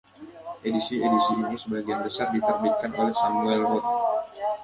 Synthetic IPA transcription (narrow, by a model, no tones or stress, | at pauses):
ʔedisiedisiːnisəbaɡijanbəsardit̪ərbit̪̚kanʔolɛhsamuɛlrɔt̪̚